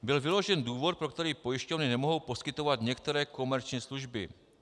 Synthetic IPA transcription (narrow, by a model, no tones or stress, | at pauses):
bɪlvɪlo̞ʒɛnduːvo̞t̪̚pɾo̞kt̪ɛɾiːpo̞jɪʃcovnɪnɛmoɦo̞wpo̞skɪt̪o̞vat̪ɲɛkt̪ɛɾɛːko̞mɛɾt͡ʃɲiːsluʒbɪ̰